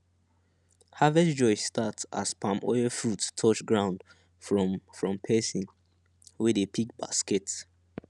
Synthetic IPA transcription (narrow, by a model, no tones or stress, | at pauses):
havɛsd͡ʒɔɪsstʰatsa̰spʰãmɔ̰ɪəfɹutːʰɔt͡ʃɡɹãʊ̃nd | fɹɔfɹɔ̃mpʰɛsĩn | wɛdepʰik̚ba̰skɛt